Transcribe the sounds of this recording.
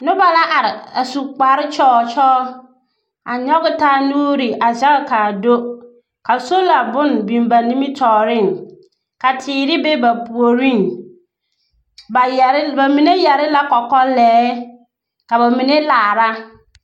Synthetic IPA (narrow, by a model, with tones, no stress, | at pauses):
nʊ̃˦ba˨la˦ʔa˨ɾɪ˨a˨su˨k͡pa˨ɾɪ˦t͡ʃʰɔː˦t͡ʃʰɔː˦ | a̰˨ɲɔ˦ɡʊ˦tʰaː˦˨nũ˦ɾi˨ʔa˨d͡ʑa˦lkʰa˨do˦ | kʰa˨so˦la˨bʊ̃˦n˨bĩ˨mba˨nĩ˦mĩ˦tʰɔː˨ɾɪ̃˦˨n˨ | ka˨tʰɪː˨ɾɪ˦be˦ba˨pu˨o˨ɾĩ˦˨n | ba˨jba˨mĩ˨ne˦jɛ˨ɾɪ˦la˦kɔ˨kɔ˦lɛː˨˦ | ka˨ba˨mĩ˨nẽ˦laː˨ɾa˦